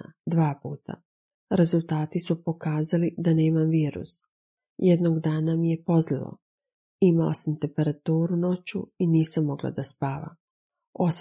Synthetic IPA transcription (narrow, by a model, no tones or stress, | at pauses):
a̰d̪ʋaːpuːt̪ʰa̰ | ɾe̞zulˠt̪aːt̪isupo̞kaːzalid̪ane̞ːmamʋiːɾṵs | jed̪noɡd̪aːnamije̞po̞zlilˠo̰ | imala̰samt̪e̞mpe̞ɾat̪uːɾuno̞t͡ɕuiniːsamːo̞ɡla̰d̪aspaːʋa̰ | o̞s